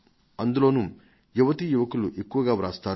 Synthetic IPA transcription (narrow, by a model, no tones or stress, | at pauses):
ɐnd̪ulo̞ːnu | juʋɐt̪ijuʋɐkuluʔe̞kːuʋɐɡaːʋɾaːst̪aː